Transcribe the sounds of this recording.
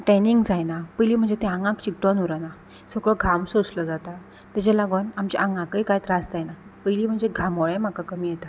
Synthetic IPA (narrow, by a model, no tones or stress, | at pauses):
ʈɛniŋɡd͡zajnapəjliːm̤əɳd͡zet̪eaŋɡãkt͡ɕikʈanuɾəna | səkɭɔɡʱamsot͡slɔd͡zat̪a | t̪ad͡ʑalaɡənamt͡ɕiʔãŋɡãkəjkajt̪ɾad͡zd͡z̪ajnapəjliːm̤əɳd͡zeɡʱamɔɭem̤akakəmiːjet̪a